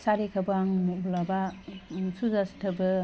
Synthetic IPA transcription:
saɾikʰabaŋmubulaba | suzastʰɯbɯ

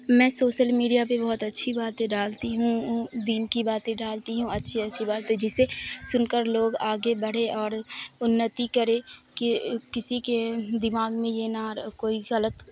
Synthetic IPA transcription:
mɛ̃ːsoːʃəlmiːɖijap̬ebɔɦʊt̪ɐtːʃʰibaːt̪ẽɖaːlt̪iɦũd̪iːnkibaːt̪ẽɖaːlt̪iɦũɐtːʃʰiɐtːʃʰibaːt̪ẽd͡ʒɪsesʊnkəɾloːɡaːɡebɐɽ̤eʔɔːɾʊnːət̪ikɐɾekikɪsiked̪ɪmaːɡmẽjenaɾkoːiɣɐlət̪

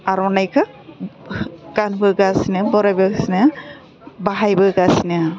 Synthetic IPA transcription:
aɾɔnajkʰa | ɡ̥anbɯɡasinɯbɔɾajbɯsina | baɦajbɯɡasina

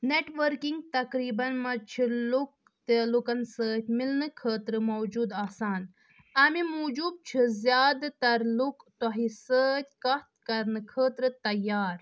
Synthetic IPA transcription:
neʈʋəɾkiŋɡ̚t̪ɐkɾiːbɐnmɐt͡ʃʰiluk̚ | t̪ɐlukɐnsəːt̪ʰʲmilnɨkʰəːt̪ɾɨmɐwd͡ʒuːd̪aːsaːn | ɐmimuːd͡ʒuːb̚t͡ʃʰɨzjaːd̪t̪ɐɾlukt̪ɔɦisəːt̪̚ʲkɐt̪̚kɐɾnɨkʰəːt̪ɾɨt̪ɐjːaːɾ

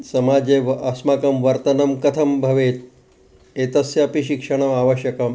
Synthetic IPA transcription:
sɐmaːd͡ʒeʋɐsmaːkɐmʋɐɾt̪ɐnɐmkɐt̪ʰɐmbʱɐʋeːt̪̚ | eːt̪ɐsjapiʃikʂɐɽ̃ɐmaːʋɐʃjɐkɐm

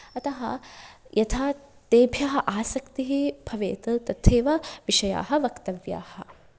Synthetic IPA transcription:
ɐt̪ɐɦɐjʔɐt̪ʰaː | t̪eːbʱjɐɦɐʔaːsɐkt̪iɦib̥ʱɐʋeːt̪ɐlt̪ɐt̪ʰːeːʋɐʋiʃɐja̰ːɦɐʋɐkt̪ɐʋja̰ːhɐ

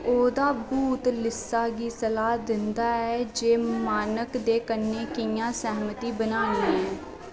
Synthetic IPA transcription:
oːd̪aːbuːt̪lɪsːaːɡiːsəlaːd̪ɪnd̪aːɛːd͡ʒeːmaːnəkd̪eːkənːeːkɪjãːsɛɦmət̪iːbənaːnĩːɦɛ̃ː

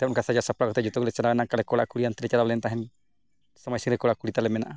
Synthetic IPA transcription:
t̪ɛɔnkasʰad͡ʒasapɽakɔt̪ɛd͡ʒut̪ɔklɛt͡ʃaɾawɛnakaɽɛkɔɽaʔkuɽiant̪iɾɛt͡ʃaɾawlɛnt̪aɦɛn | samajsiŋɾɛkɔɽakuɽit̪alɛmɛnaʔa

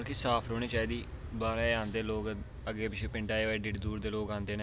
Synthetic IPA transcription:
ɾkɪsaːpʰɾoːɳ̃eːt͡ʃaːeːd̪iː | baːɾaːãːnd̪eːloːɡ | əɡeːpɪt͡ʃʰeːpɪɳɖaːeːʋeːɖɪʈd̪uːɾd̪eːloːɡãːnd̪eːneː

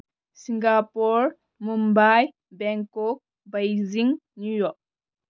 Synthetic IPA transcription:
siŋɡapɔɾ | mumbaj | bɛŋkɔk̚ | bajziŋnujɔk̚

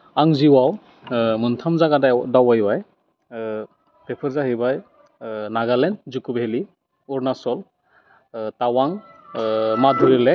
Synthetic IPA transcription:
aŋziwaw | mɯntʰamzaɡadadawajbaj | pepʰɯɾzaɦɯjbaj | naɡalɛnzukubɦeli | ɔɾnasɔl | tawaŋ | madʱuɾile

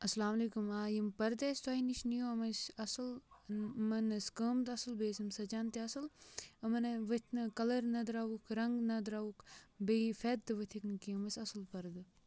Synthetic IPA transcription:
ɐslaːmɐliːkumaːjimpɐɾd̪esʲt̪wainiʃnijoɐmɐsɐsɨl | mɐnɐskəːmt̪ɐsɨlbeːsimsɐt͡ʃaːnt̪iɐsɨlɐmɐnʋɐt̪ʰnɨkɐlɐɾnɐd̪ɾaʋukʰɾɐŋɡnɐd̪ɾaukʰbefeːd̪̚t̪ɨʋət̪ʰiknɨkiɐmɐsʲɐsɨlpɐɾd̪ɨ

